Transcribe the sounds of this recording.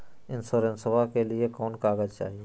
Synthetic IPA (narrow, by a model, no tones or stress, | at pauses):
ɪnsoːɾẽnsəbʱakeliekɔːnkaːɡəd͡ʒt͡ʃa̰ːɦieː